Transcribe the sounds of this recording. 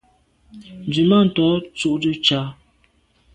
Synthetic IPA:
n˨d͡zi˨ma˦˨n̩˨tɔ˨˦t͡su˦ʔdə˦t͡ʃa˨˦

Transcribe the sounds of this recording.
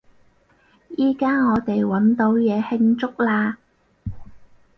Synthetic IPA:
jiː˥kaː˥ŋɔː˨˧t̪e˨jwɐ˨˥nt̪o˨˥wjɛː˨˧hɪ˧ŋt͡sʊ˥k̚laː˧

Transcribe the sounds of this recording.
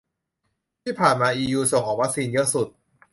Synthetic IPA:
t̪ʰiː˥˩pʰaː˨˩nmaː˧ʔiː˧juː˧so˨˩ŋkʰɔː˨˩˦wa˦˥k̚siː˧njɤ˦˥su˨˩t̪̚

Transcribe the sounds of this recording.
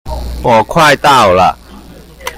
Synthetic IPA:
pɔː˨˩kʰwaː˥˧˩jt̪a˥˩wla̰˧˩ʔ

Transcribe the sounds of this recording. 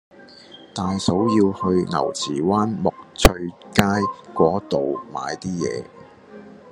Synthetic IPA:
t̪aː˨jso˨˥wjiː˧whɵ˧ɥŋɐ̰˨˩wt͡sʰiː˨˩waː˥nmʊ˨k̚t͡ʃʰɵ˧ɥkaː˥jkʷɔː˨˥t̪o˨wma̰ː˨˧jt̪iː˥jɛ̰ː˨˧

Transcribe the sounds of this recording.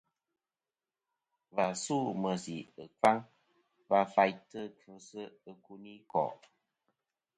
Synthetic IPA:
va˨su˦˨mə˨si˨ɨ˨fa˦ŋ | va˧fa˦jtə˦˨kɨ˨˦sə˦ə˦ku˦ni˦kɔ̰˨ʔ

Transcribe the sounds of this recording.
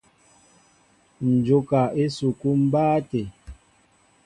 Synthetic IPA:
n̩˨d͡ʒo˦ka˨e˦su˨ku˦m̩˦baː˦te˨

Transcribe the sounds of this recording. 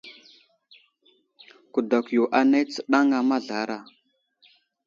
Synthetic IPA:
ku˨da˨kjo˨ʔa˨na˦t͡sə̥˨ɗa˦ŋa˨ma˦ɮa˨˦ɾa˨

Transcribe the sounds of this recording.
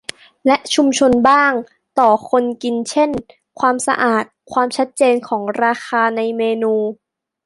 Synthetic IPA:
lɛ˦˥ʔt͡ɕʰu˧mt͡ɕʰo˧nbaː˥˩ŋ | t̪ɔː˨˩kʰo˧nki˧nt͡ɕʰe˥˩n | kʰwaː˧msa̰˧ʔaː˨˩t̪̚kʰwaː˧mt͡ɕʰa˦˥t̪̚t͡ɕeː˧nkʰɔː˩˦ŋɾaː˧xʰaː˧na˧jmeː˧nuː˧

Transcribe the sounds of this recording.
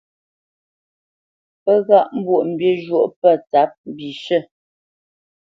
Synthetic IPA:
pə˦ɣa˦˨ʔm̩˦bwo˦˨ʔm̩˨bje˦ʒwo˦˨ʔpə˦˨t͡sa˨˦p̚m˦˨bi˨ʃə˦˨

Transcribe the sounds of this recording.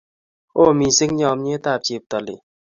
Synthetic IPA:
o˦˨mi˨si˦k̚ɲɔ˧˨mɲe˦ta˦˨p̚t͡ʃe˨p̚tɔ˨lḭ˨

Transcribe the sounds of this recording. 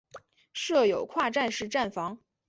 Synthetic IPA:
ʂɤ˥˩jo˨˩ʊkʰwa˥˧ʈ͡ʂa˥˧nʂɻ̩˥˧ʈ͡ʂa˥˩nfɑ˧˥ŋ

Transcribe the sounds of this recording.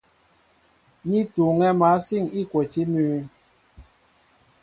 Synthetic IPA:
ɲi˦tu˨ŋɛ˦ma˨˦si˦˨ŋi˦˨kwo˨t͡ʃi˦myː˦

